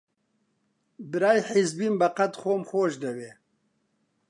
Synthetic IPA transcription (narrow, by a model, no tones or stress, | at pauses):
bɨɾaːjħizbiːmbɐqat̪xoːmxoːʃd̪ɐbeː